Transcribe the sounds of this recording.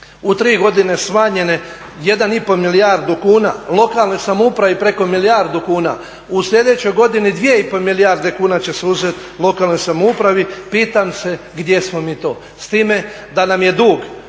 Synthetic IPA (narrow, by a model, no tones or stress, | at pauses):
ut̪ɾiːɡo̞d̪ine̞smaɲe̞ne̞ | je̞d̪anipo̞milijaɾd̪ukuːna̰lˠo̞kalˠno̞jsamoupɾaʋipɾe̞ko̞milijaɾd̪ukuːna̰ | usʎʲe̞d̪e̞t͡ɕo̞jɡo̞d̪inid̪ʋije̞ipo̞milijaɾd̪e̞kuːnat͡ɕe̞seuzet̪ | lˠo̞kalnojsamoupɾaʋipiːt̪amse̞ | ɡd̪je̞smo̞miːt̪oː | st̪iːme̞ | d̪anamje̞d̪uːɡ